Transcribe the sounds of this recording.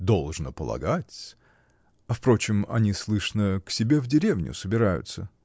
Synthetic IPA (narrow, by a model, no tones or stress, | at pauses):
d̪o̞lˠʐnəpəlˠɐ̰ɡatʲ | ɐfpɾo̞t͡ɕɪmɐ̰nʲislˠɨʂnəksʲɪbʲe̞vdʲɪɾʲe̞vnʲʊ̰səbʲɪɾajʊ̰t̪sə